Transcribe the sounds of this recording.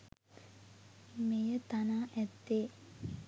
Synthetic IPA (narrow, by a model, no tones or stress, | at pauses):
mejət̪anaːʔɛt̪ːe